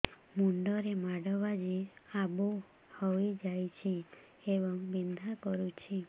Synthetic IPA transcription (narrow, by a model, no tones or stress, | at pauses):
muɳɖɔɾemaɽɔbad͡ʒiabo | hɔjd͡ʒajt͡ʃʰi | ebɔŋbind̪ʱakɔɾut͡ʃʰi